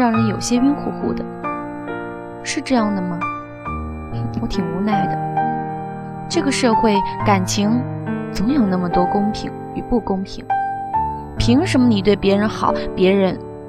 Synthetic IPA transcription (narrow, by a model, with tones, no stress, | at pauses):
ɑ˥˩ŋɻə˧˥njo˨˩ʊɕjɛ˥i˥nxṵ˥˧xṵ˥˩d̪ə̰˩ | ʂɻ̩˥˧ʈ͡ʂɤ˥˧jɑ˥˩ŋd̪ə˩mə˩ | wɔ˧˥t̪ʰi˨˩ŋu˧˥na˥˩ɪd̪ə˩ | ʈ͡ʂɤ˥˩ɡə˩ʂɤ˥˧xwe˥˩ɪka˨˩nt͡ɕʰi˧˥ŋt͡sɤ˧˥ŋjo˨˩ʊna˥˩mə˩t̪wɔ˥kʊ˥ŋpʰḭ˨˩ŋ | i˨˩pu˥˩kʊ˥ŋpʰi˨˩˦ŋ | pʰi˧˥ŋʂə˧˥mə˧ni˨˩t̪we˥˩ɪpjɛ˧˥ɻə˧˥nxɑ˨˩˦ʊpjɛ˧˥ɻə˧˥n